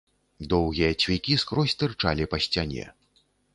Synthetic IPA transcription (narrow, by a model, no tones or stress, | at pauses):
d̪ɔwɣʲijɐt͡sʲvʲikʲiskɾɔsʲt̪ɨrt͡ʂa̰lʲipɐsʲt͡sʲanʲɛ̰